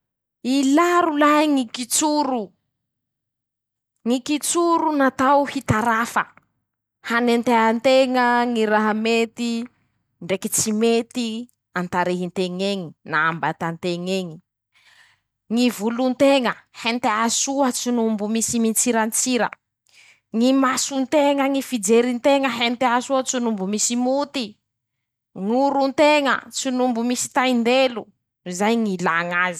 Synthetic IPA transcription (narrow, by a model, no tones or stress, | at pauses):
ilaɾulajŋikit͡suɾu | ŋikit͡suɾunat̪awhit̪aɾafə̰ | hanent̪eant̪eŋəŋiɾaɦamet̪i | ɳɖ͡ʐekit͡simet̪i | ant̪aɾeɦint̪eŋeŋinaambat̪ant̪eŋeŋi | ŋivulunt̪eŋəhent̪easuət͡sunumbumisimint͡siɾant͡siɾə̰ | ŋimasunt̪eŋəŋifid͡zeɾint̪eŋəɦent̪easuət͡sunumbumisimut̪i | ŋuɾunt̪eŋə̰t͡sunumbumisi̥t̪ajnd̪elu | zajŋilaŋazi̥